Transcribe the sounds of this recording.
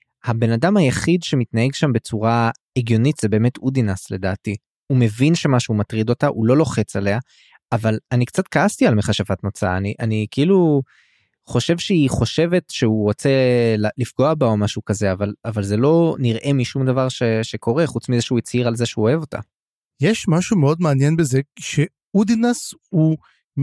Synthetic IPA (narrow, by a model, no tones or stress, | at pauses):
habe̞nad̪amhajaχid̪ʃe̞mit̪naɦe̞ɡʃambe̞t͡suʁa | eɡjo̞nit̪z̥ebe̞ːme̞t̪ʰud̪inasle̞d̪aːti | ume̞vinʃe̞maʃeumatʁid̪o̞taʔulo̞lo̞χe̞t͡sale̞aː | valanikt͡sat̪̚kaastialmeχaʃavatnot͡saa̰ːniʔanikilu | χo̞ʃevʃeiχo̞ʃe̞ve̞tʃeuʁo̞t͡se̞llifɡo̞abaomaʃukaze̞avalavalze̞lo̞niʁʔe̞miʃumd̪avaʁʃeʃekʰo̞ʁe̞χut͡smizeʃeuit͡siʁalze̞ʃeuoevo̞t̪a̰ | jeʃmaʃumeo̞d̪meanjenbezeʃe | ud̪inasu